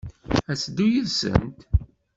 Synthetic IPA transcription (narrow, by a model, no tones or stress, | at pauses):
æsd̪ujəlsə̰nt̪